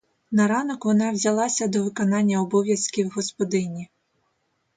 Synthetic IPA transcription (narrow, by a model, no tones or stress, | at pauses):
nɐɾɑnɔkʋɔnɑwzʲɐlˠɑsʲɐd̪ɔʋɪkɔnɑnʲːɐɔbɔʋʲjɐskʲiwɦɔspɔd̪ɪnʲi